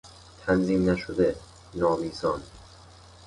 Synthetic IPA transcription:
t̪ʰænziːmnæʃod̪e | nɒːmiːzɒːn

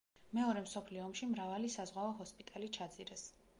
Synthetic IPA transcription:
mɛɔɾɛmsɔpʰliɔːmʃimɾavalisazʁwaɔɦɔspʼit̪ʼalit͡ʃʰad̪ziɾɛs

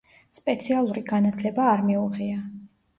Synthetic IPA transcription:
spʼɛt̪sʰialˠuɾiɡanat̪ʰlɛbaːɾmiuʁia

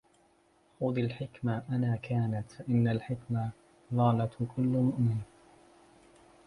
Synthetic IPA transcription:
xʊd̪ˤilħɪkmaʔanaːkaːnat̪faʔɪnːalħɪkma | ðˤɑːlɑt̪kʰʊlːʊmʊʔmɪnː

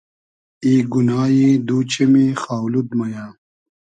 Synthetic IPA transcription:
iːɡunaːjid̪uːt͡ɕemixaːwlud̪mɐjaː

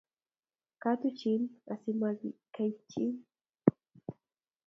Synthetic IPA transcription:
katut͡ʃinasimazikajt͡ʃin

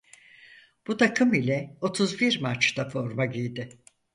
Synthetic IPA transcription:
b̥ut̪ʰakʰɯmilʲɛo̞t̪ʰuzbiɾmat͡ʃt̪afo̞ɾmaɟijd̪ɪ

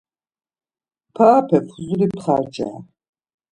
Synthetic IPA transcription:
pʰaːpʰɛpʰuzuɾipʰχat͡ʃʼa̰ː

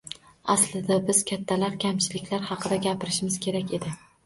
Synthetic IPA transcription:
aslɪd̪abɪz̥kʲʰat̪ʰːalaɾkʲʰamt͡ʃʰɪlɪkʲlaɾhɑqʰɨd̪aɡʲapʰɪɾɪʃmɪz̥kʲʰe̞ɾakʲe̞d̪ɪ

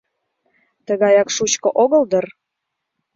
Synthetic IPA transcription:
t̪əɣɑjɑkʃut͡ɕkoʔoɣəld̪ər

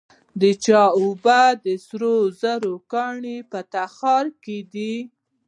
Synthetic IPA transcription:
d̪ət͡ʃɑubad̪əsɾozaɾokɑɳipət̪axɑɾked̪i

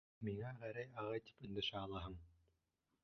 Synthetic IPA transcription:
miŋæʁæɾæjɑʁɑjt̪i̥pɵ̆nd̪ɘ̆ʃæːlˠɑɦɤɴ

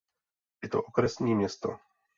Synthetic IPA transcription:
jɛt̪o̰ʔokɾɛsɲiːmɲɛst̪o

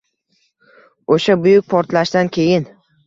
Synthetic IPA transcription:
oʃabʊjʊk̚ʲpʰɒɾt̪laʃd̪ankʲʰe̞jɪn

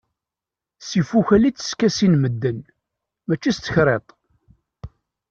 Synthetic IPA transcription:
sifuçælit͡sːə̥skæsinməd̪ːən | mæt͡ʃːist̪əçɾˤet̪ˤ

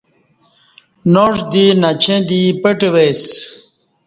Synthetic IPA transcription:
noːʐʂd̪inat͡ɕʰẽːd̪ipəʈewes

